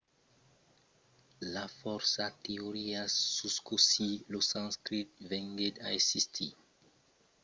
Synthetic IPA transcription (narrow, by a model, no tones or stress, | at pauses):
lafɔɾsat̪eoɾiasuskosilosãnskɾit̪̚vẽŋɡed̪a̰esist̪ʰḭ